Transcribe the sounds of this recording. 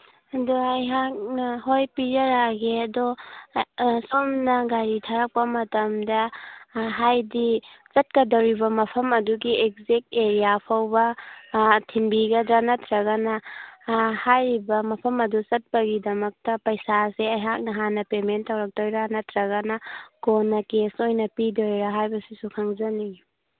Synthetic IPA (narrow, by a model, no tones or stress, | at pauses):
ɐdoɐjɦak̚nɐɦojpid͡ʒɐɾaɡeɐdo | somnɐɡaɾitʰaɾɐk̚pɐmɐtɐmdɐ | ɦajdisɐt̚kɐdɐwɾibɐmɐpʰɐmɐduɡiek̚zek̚teɾijapʰawbɐ | tʰiŋbiɡɐdɾɐnɐtʰɾɐɡɐnɐ | hajɾibɐmɐpʰɐmɐdusɐt̚pɐɡidɐmɐk̚tɐpɐjsaseɐjɦak̚nɐɦanɐpementːɐwɾɐk̚tojɾanɐtʰɾɐɡɐnɐɡonːɐkesojnɐpidojɾɐɦajbɐsisukʰaŋzɐni